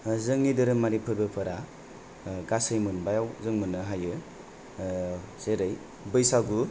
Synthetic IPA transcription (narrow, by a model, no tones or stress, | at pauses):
zɯŋnidɯɾɯmaɾipʰɯɾbɯpʰɯɾa | ɡasɯjmɯnbajawzɯŋmɯnːɯɦajɯ | z̥eɾɯj | bɯjsaɡu